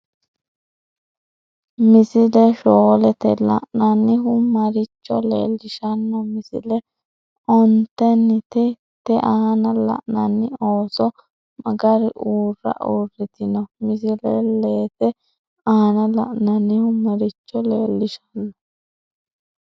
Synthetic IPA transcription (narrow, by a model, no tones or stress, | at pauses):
mɪsɪlɛʃoːlɛt̪ɛlɐ̰ʔnɐnːɪɦʊmɐɾɪt͡ʃːɔ̰lḛːlːɪʃɐnːɐmɪsɪ̰lɛ | ʔɔnt̪ːɛnːɪt̪ɛ | t̪ɛʔɐhɐnɐlɐ̰ʔnɐnːɪoːsɔ | mɐɡɐɾɪʔuːrːɐ̰ʔurːɪt̪ɪnɔmɪsɪlɛ̰leːt̪ɛ | ɐhɐnɐlɐ̰ʔnɐnːɪhʊmɐɾɪt͡ʃːɔleːlːɪʃɐ̥nːɐ